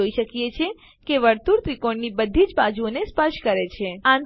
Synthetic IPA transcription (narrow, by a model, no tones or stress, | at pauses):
oiʃəkjet͡ʃʰe | keʋəɾt̪uɾt̪ɾikoɳnibəd̪ʱid͡ʒbad͡ʒuonespəʃkəɾet͡ʃʰeãn